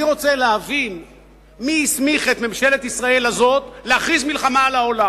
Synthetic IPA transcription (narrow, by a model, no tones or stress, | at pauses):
iʁo̞t͡seleavin | miismiχet̪memʃe̞le̞t̪isʁae̞lazo̞t̪leaχʁizmilχamaːlao̞la